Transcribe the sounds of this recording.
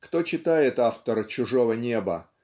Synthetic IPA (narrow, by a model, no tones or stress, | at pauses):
kt̪ot͡ɕɪt̪ajɪt̪aft̪əɾt͡ɕʊʐovənʲe̞bə̰